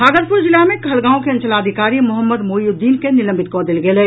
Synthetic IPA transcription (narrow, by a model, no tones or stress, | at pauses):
ɦaːɡəɾpʊɾd͡ʒɪlamẽkʰɐlɡãːõkeɐ̃nt͡ʃəlaːd̪ʱɪkaːɾimʊɦəmːəd̪moːjud̪ːiːnkenɪlə̃mbɪt̪̚kɔːd̪ɪlɡeleː